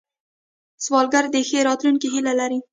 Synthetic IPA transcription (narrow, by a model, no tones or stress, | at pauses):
swɑlɡaɾd̪exeɾɑt̪lunkiɦilalaɾi